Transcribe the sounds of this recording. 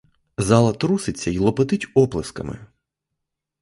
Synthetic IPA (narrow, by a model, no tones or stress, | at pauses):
zɑlˠɐt̪ɾusɪt͡sʲːɐilˠɔpet̪ɪtʲɔplˠɪskɐ̰mɪ̰